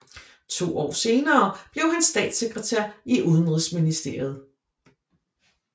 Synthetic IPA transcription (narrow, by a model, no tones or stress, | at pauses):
t͡sʰo̝̰ːɒ̰ːse̝ːnɐːb̥le̝ʊɦænsd̥ɛ̰ːd̥seɡ̥ʁət͡sʰæɐ̰iʔuð̞ˠənʁisminisd̥e̝ɐ̰jð̞̩ˠ